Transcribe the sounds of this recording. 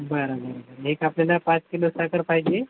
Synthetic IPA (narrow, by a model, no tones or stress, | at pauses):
bəɾabəɾabəɾɦekapljalapãt͡skilosakəɾfajd͡ʑe